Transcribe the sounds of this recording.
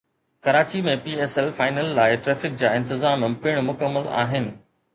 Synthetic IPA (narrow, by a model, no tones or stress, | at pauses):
kɐɾaːt͡ɕimẽpiːeːsɛlfaːɪnəlːaːɪʈɾeːfɪk̚d͡ʑaːɪ̃nt̪ɪzaːmpɪɽ̃mʊkəmːəla̰ːɦɪnɪ̆